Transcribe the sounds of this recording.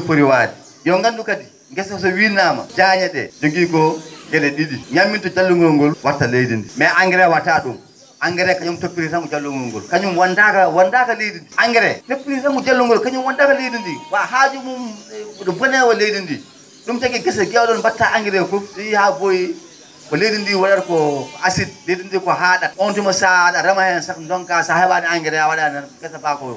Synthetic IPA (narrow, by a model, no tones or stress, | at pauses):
pːuɾiwadɛ | jɔŋɡanɗukadi | ɡɛsɔsɔwinama̰d͡ʒaːɲaɗɛ̰d͡ʒoɡiːɡɔɡɛlɛɗiɗiɲamːintɔd͡ʒalːuŋɡuɾɔŋɡɔlwaɾtːalejdindḭmɛʔaŋɡɛɾɛwataɗum | ʔaŋɡɛɾɛkaɲumtopːiɾisaŋɡud͡ʒalːuŋɡɔŋɡɔ̰lkaɲumwandakawandakalejdindiʔaŋɡɛɾɛtepːiɾisaŋɡud͡ʒalːuŋɡɔlkaɲumwandakalejdindiwahad͡ʒumumdɔbɔnɛwɔlejdindi | ɗumtaɡɛɡɛsaɡiwaɗɔnbatːaʔaŋɡɛɾɛfufɗihaboji | kɔlejdindiwaɗaɾkɔasid̚lejdindikɔɦaːɗaɔntimɔsaɗaɾamahɛnansakndɔŋkasahɛɓaniaŋɡɛɾɛawaɗanɛɡɛsabakɔɔ̰